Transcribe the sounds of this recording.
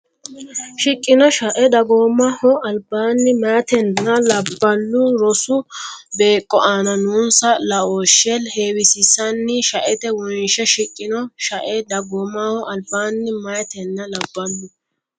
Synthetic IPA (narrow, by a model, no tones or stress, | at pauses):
ʃɪkʼːɪnɔʃɐʔɛd̪ɐɡoːmːɐhɔʔɐlbaːnːɪmat̪ɛnːɐlɐbːɐnːʊɾɔsʊbe̞ːkʼːɔʔaːnɐnuːnsɐlɐoːʃːɛlhe̞ːwɪsɪsɐnːɪʃɐʔɛt̪ɛwɔnʃɛʃɪkʼːɪnɔʃɐʔɛd̪ɐɡoːmːahɔʔɐlbaːnːɪmɐjt̪ɛnːɐlɐbːɐnːʊ